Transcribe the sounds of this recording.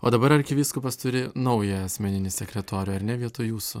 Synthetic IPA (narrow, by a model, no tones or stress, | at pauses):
oːd̪ɐbɐɾɐɾʲkʲɪʋʲiːskʊpɐst̪ʊɾʲɪnɒʊjɛɐsʲmʲɛnʲɪnʲɪsʲɛkɾʲɛt̪oːɾʲoːɐɾnʲɛʋʲiɛt̪ʊjuːsʊ